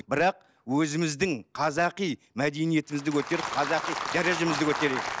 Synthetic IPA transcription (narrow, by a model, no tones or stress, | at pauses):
bɪɾɑq̚ | wɵzɪmɪzd̪ɪŋqʰɑzɑqij | mæd̪e̞jnije̞t̪ɪmɪzd̪ɪkʲʰɵt̪e̞ɾɪp̚qʰɑzɑqijʒ̥ɑɾjɑʒəmɪzd̪ɪkʰɵt̪e̞ɾeɡ̪ɪ